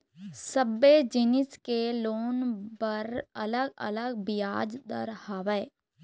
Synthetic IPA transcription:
səbed͡ʒɪnɪskeloːnbəɾə̰ləɡə̰ləɡbɪjaːd͡ʒd̪ə̰ɾhaːʋɛ

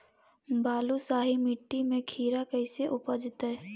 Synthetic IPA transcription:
baːlusaːɦimɪʈːimẽkʰiːɾakəɪseʔʊpəd͡ʒt̪ɦɛː

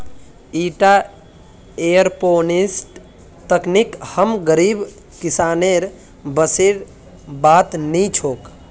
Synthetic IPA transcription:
iːʈa | ejəɾponisʈ | t̪əknikhəmɡəɾib | kisaːneɾ | bəseɾ | bat̪nit͡ʃʰoːk

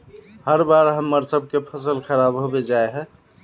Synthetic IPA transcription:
həɾbaɾɦəmːəɾsəb̚ʱkepʰəsəlxəɾabɦobed͡ʒaeɦɛ

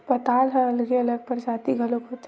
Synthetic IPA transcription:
pət̪aːlɦəəlɡeɐləɡ̚pəɾd͡ʒat̪iɡʱəlokot̪

